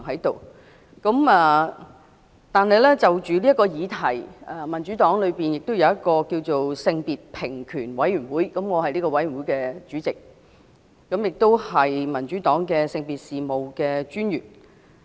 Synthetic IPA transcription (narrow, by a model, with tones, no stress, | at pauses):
ŋɦɐ˨˥jt̪o˨w | kɐ˨˥mɛː˨ | t̪aː˨nɦɐ˨jlɛː˥t͡sɐ˨wt͡ʃyː˨li˥ɐ˥tkɔː˧jiː˨˧t̪ʰɐ˨˩jɛ˨mɐ˨˩nt͡ʃyː˨˥t̪ɔː˨˥ŋlɵ˨˧piː˨njɪ˨k̚t̪o˥wjɐ˨˧wjɐ˥t̚kɔː˧kiː˧wt͡so˨wsɪ˧ŋpiː˨t̚pʰɪ˨˩ŋkʰyː˨˩nwɐ˨˥jɥyː˨˩nwuː˨˥jkɐ˨˥mŋɔː˨˧hɐ˨jliː˥kɔː˧wɐ˨˥jy˨˩wu˨˥jkɛː˧t͡ʃyː˨˥t͡sɪ˨k̚ː | ɐ˨˥mjɪ˨k̚t̪o˥whɐ˨jmɐ˨˩nt͡ʃyː˨˥t̪ɔː˨˥ŋkɛː˧sɪ˧ŋpiː˨t̚siː˨mo˨wkɛː˧t͡ʃyː˥njyː˨˩n